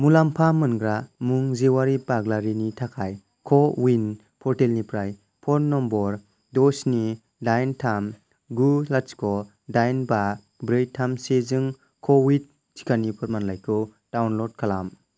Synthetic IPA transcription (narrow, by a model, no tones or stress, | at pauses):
mulampʰamɯnɡɾamuŋzewaɾibaɡlaɾinitʰakʰaj | kʰɔwin | pʰɔɾtelnipɾaj | pʰɔɾnːɔmbɔɾ | dɔsni | dajntʰam | ɡulat͡ʃkʰɔ | dajnba | bɾɯjtʰamsezɯŋ | kʰɔwit̚ | sʰi̥kʰanipʰɔɾmanlajkʰɯ | d̥awnlɔd̚kʰalam